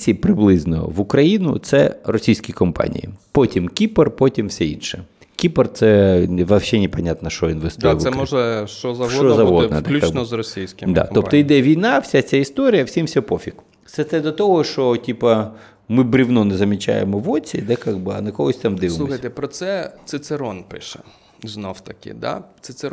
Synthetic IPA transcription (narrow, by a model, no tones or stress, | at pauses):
sʲipɾɪblˠɪznɔɔ̰ʋʊkɾɐjinʊ̰t̪sɛrɔsʲijsʲkʲikɔmpa̰nʲḭjḭpɔtʲimkʲipɛrpɔtʲimwsʲɛḭnʃɛ | kʲipert̪sɛʋɐwʃɛnʲɛpɐnʲat̪nɐʃt͡ʃɔinʋest̪ʋsɛmɔʒɛʃt͡ʃɔzɐʃɔt͡ʃɔzɐɦɔd̪nɛd̪ɛlʲukːbnɔzrɔsʲijsʲkʲɪmd̪a̰t̪ɔp̪̚ɔid̪ɛʋʲijnɑfsʲat͡sʲaɪst̪oɾʲɪjɐwsʲimfsʲopofʲik | t̪sɛt̪sɛd̪ɐt̪oɦɔʃɔtʲipɐ | mɪbɾʲiwnɔnɛzɐmʲɪt͡ʃa̰jḛmɔʋɔt͡sʲḭd̪ɛkaɡ̚bɪɐnɐkɔlˠɔsʲt̪amd̪ɪsʋɪmlˠuɔxsɐjʲt̪epɾɔt̪sɛt̪sɪt̪seɾɔnpɪ̰ʃɛ | znowt̪ɐkɪ̰d̪a̰t̪sɪt̪se